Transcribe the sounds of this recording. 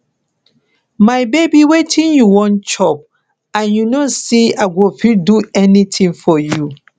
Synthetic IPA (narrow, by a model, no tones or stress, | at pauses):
maɪbebiwetʰĩnjuwɔ̃nt͡ʃɔp̚ | ãnjunosiaɡofilduɛnitʰĩŋfɔju